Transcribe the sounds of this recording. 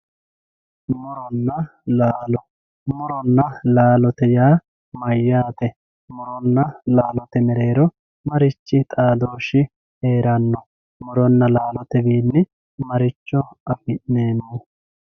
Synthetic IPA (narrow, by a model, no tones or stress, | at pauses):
mɔɾɔnːɐ | laːlɔ | mɔɾɔnːɐlaːlɔt̪ɛjaː | mɐjːaːt̪ɛ | mɔɾɔnːɐlaːlɔt̪ɛmɛɾe̞ːɾɔ | mɐɾɪt͡ʃːɪt̪ʼaːd̪oːʃɪ | eːɾɐnːɔ | mɔɾɔnːɐlaːlɔt̪ɛbiːnːɪ | mɐɾɪt͡ʃːɔɐfɪnneːnːɔ